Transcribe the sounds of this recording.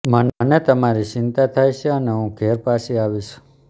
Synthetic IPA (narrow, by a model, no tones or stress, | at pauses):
mənnet̪əmaɾit͡ʃɪnt̪at̪ʰajʃʰeəneɦũɡʱeɾpasiaʋiʃu̥